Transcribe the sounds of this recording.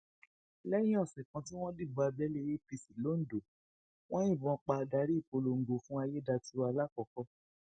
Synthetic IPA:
lɛ̃˦ĩ˦ɔ˦˨sɛ˨kã˨˧ti˦w̃ɔ̃˦di˦˨ɡ͡ba˨˧bɛ˦le˦˧˦je˦pi˧si˨lo˨˦n̩˨do˨ | w̃ɔ̃˦ĩ˦˨bɔ̃˧˦k͡pa˧da˧˦ɾi˦i˦˨po˧lo˨ŋ̩˨ɡo˨fũ˦a˧je˦da˧ti˦a˧la˦kɔ˧kɔ˧˦

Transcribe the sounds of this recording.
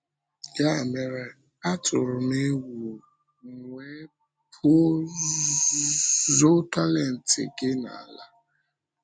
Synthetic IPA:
ja˦e˨me˨ɾe˨ | a˦tʰʊ˨ɾʊ˨ne˦wu˨ | ŋŋʷe˦ | pʰʊ˦ | zo˦ta˦le˨n̩˨tɪ̰˨ɡɪ˦na̰˨la˦

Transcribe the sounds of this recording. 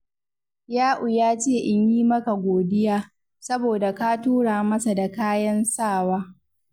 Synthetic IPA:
jaː˦ʔʊ˨jaː˦t͡ʃeː˦˨ʔɪ˦ɲjiː˦mɐ˦ka˨ɡʷoː˨dɪ˦jaː˦ | sɐ˦boː˨da˨ka˦tuː˦ɽaː˨mɐ˦sa˨da˨kaː˦jɐ˦nsaː˦˨waː˦

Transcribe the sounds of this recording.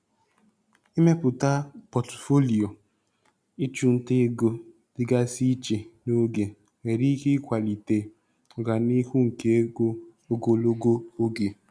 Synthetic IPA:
i˦me˦pʊ˨ta˦pɔ˨tfo˦li˨o˨ | i˦t͡ʃu˨n̩˦te˦ɡo˦ | dɪ˦ɡa˦si˦t͡ʃe˨no˦ɡe˨ | ŋe˨ɾi˦ki˦kʷa˨li˨te˨ | ʊ˨ɡa˨ni˦hu˦ŋ̩˨ke˦ɡo˦ | o˦ɡo˨lo˦ɡo˦o˦ɡe˨

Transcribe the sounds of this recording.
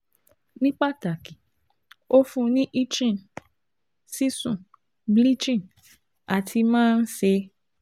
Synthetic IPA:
nĩ˦k͡pa˦˨ta˨ki˨ | o˦fũ˦nĩ˦ʔi˦t͡ʃĩ˦˨n | si˦sũ˦˨ | bli˦t͡ʃĩ˦˨n | a˨tʰi˧mãː˦˧n̩˦se˧

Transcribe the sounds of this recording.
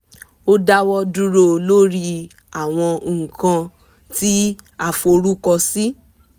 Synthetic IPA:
o˦da˦wɔ˦du˦ɾo˦˨lo˦ɾi˧ | a˨w̃ɔ̃˧˨kã˧ | ti˦ | a˦˨fo˧ɾu˦kɔ˧si˦

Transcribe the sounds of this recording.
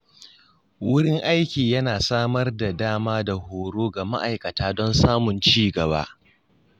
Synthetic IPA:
wʊ˦ɽɪ˦ŋʔa˦jkʲiː˨jɐ˦naː˨saː˦mɐ˦rda˨daː˦maː˦da˨hoː˨ɽoː˦ɡa˨ma̰˦ʔa˨jkɐ˨taː˦dɔ˦nsaː˦mʊ˨nt͡ʃiː˦ɡɐ˨ba̰ː˦ʔ

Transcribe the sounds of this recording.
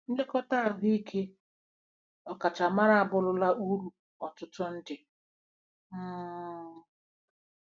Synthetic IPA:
n̩˦de˦kɔ˦ta˦˨ɦi˦i˦kʰe˦ | ɔ˨ka˨t͡ʃa˨ma˦ɾa˦a˨bʊ˦lʊ˦la˦ʔu˦ɾu˨ | ɔ˨tʊ˦tʊ˦n̩˦dɪ˨ | m̩ː˦

